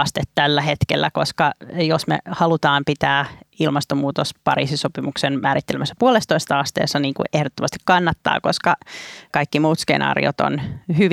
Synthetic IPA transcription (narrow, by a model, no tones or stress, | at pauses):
st̪et̪t̪ælːæhet̪kelːækoskɑjosmḛhɑlut̪ɑːmpit̪æːilmɑst̪omuːt̪ospɑɾḭːsisopimuksenmæːɾit̪ːelemæsːæpuolest̪oist̪ɑɑst̪ḛːsːɑniːŋkṵʔehdot̪ːomɑst̪ikkɑnːɑt̪ːɑ̰ːkoskɑkɑikːimuːt̪skḛnɑ̰ːrḭot̪o̰nhyʋ